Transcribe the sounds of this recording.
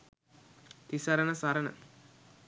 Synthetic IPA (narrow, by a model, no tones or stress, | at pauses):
t̪isɐɾɐnɐsaːɾɐnɐ̰